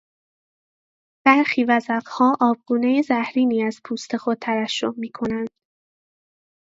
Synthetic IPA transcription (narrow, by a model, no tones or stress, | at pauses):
b̥æɾxiːvæzæɢhɒːʔɒːb̚ɡ̥uːnejezæhɾiːniːæz̥pʰuːst̪ʰe̞xo̞d̪̚t̪ʰævæʃːoʔmiːkʰo̞nænd̪̥